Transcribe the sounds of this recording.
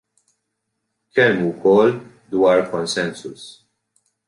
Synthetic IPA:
kɛmːukɔlː | d̪wɐːɾkɔnsɛnsʊ̰s

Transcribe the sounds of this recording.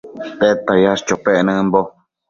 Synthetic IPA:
t̪et̪ajast͡ʃopeʔnɨ̃mbo

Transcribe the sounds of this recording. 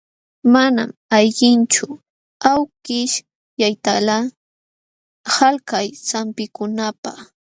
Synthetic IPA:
mana̰majʎɪnt͡ʃʊ | awkɪʃ | jajt̪ala | halkajsampɪkʊnapaχ

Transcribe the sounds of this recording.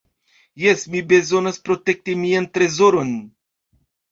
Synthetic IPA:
jesmibe̞zo̞naspɾo̞te̞k̚timiant̪ɾe̞zo̞ɾo̞n

